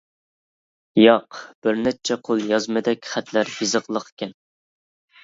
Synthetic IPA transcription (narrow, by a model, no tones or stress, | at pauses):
jɑqb̥ɪɾnɛt͡ʃʰɛqʰolˠjɑzmɨd̪ɛkʲχæt̪læɾjizəqlˠəqʰkʲʰɛn